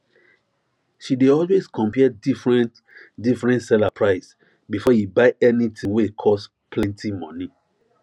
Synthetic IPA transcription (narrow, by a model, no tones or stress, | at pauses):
ʃideɔlweskʰɔ̃mpiɛdifɹɛ̃nt | difɹɛ̃ntsɛlapʰɹaɪs | bifɔjibaɪɛnitʰĩwekʰɔs | pʰlɛ̃ntʰimɔ̃ni